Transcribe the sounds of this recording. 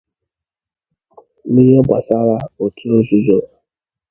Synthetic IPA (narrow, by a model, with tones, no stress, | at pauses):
mi˦ɾi˦ɔ˦ba˨sa˦ɾa˦o˨tʰi˦o˦zu˦d͡ʒo˦˨